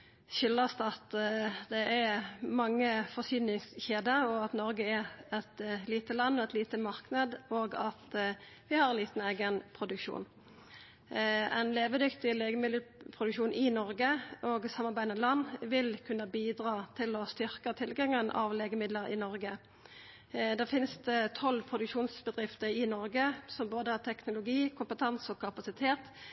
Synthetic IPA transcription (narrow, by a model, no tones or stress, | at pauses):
ʃʏlːɑst̪ɑt̪d̪ɛʔɛɾmɑŋːəfɔsyːnɪŋsçeːd̪əɔɑt̪nɔɾɡəɛɾɛt̪liːt̪əlɑnːɔɛt̪liːt̪əmɑʁknəd̪oːɡɑt̪ | ʋɪhɑɾɛnliːt̪n̩eːɡənpʰʁʊd̪ʉkʃṵːn | ɛ̰ɪnleːʋəd̪ʏkt̪ɪleːɡəmɪd̪əl̩pʰʁʊd̪ʉkʃuːnʔɪnɔʁɡəʔoːɡsɑmːɑʁbæɪd̪mɛlɑnːʋɪlkʰʉnːəbiːd̪ʁɑːt̪ʰɪlɔst̪ʏʁkət̪ʰɪlɡɑŋənʔɑ̰ʋleːɡəmɪd̪ləɾɪ̰nɔʁɡə | d̪ɛfɪnst̪ət̪ʰɔlːpʰʁʊd̪ʉkʃuːnsbəd̪ʁɪft̪əɾɪnɔʁɡəsɔmboːd̪əhɑt̪ʰɛknʊlʊɡiːkʰʊmpət̪ʰɑnsɔkʰɑpɑsɪt̪ʰeːt̪